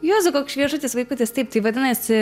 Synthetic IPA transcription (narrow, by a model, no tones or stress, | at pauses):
joːzʊkoːkʃʲʋʲiɛʒʊt̪ʲɪsʋɐɪkʊt̪ʲɪst̪ɐɪp̚t̪ɐɪʋɐd̪ʲɪnɐsʲ